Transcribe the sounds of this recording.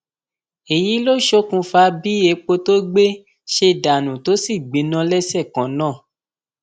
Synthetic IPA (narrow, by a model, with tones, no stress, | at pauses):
e˨ji˨˦lo˦ʃo˦kũ˧fa˧bi˦e˨˦k͡po˧to˦ɡ͡be˦ | ʃe˧da˨nũ˨to˨˦si˦˨ɡ͡bĩ˨˦nã˧˦lɛ˦sɛ˦˨kã˨˦nãː˦˨